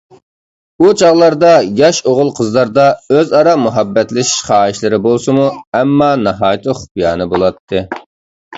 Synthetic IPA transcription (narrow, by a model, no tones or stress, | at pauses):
ut͡ʃʰɑʁlˠɑɾd̪ɑjɑʃoʁʊlˠqʰəzlˠɑɾd̪ɑøzɑɾɑmuɦɑbːɛt̪lɪʃi̥ʃχɑːiʃlɪɾɪbolˠsɨmuɛmːɑnɑɦɑːjt̪ʰɨχpijɑːnɨbolˠɑt̪ʰːɨ